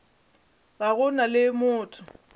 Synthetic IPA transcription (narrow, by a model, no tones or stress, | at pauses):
baɣʊnalɪmʊːtʰʼʊ